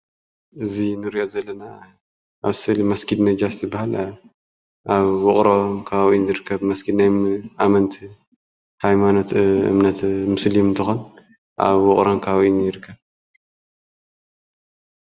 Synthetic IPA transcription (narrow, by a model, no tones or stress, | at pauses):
ʔɨzinɨɾiʔo̞zɐlːɐna | ʔaβsɨlmɐskʰid̪nɐd͡ʒaszɨbːahal | ʔaβwɔχʼɾokʰawʔjinzɨɾɨkʰːɐβmɐskʰid̪najmʔamɐnt̪ʰ | hajmano̞t̪ɨ̰mnɐt̪mɨslimɨnt̪ʰɨxon | ʔa̰βwɔχʼɾonkʰawjinjɪɾɨkʰːɐβ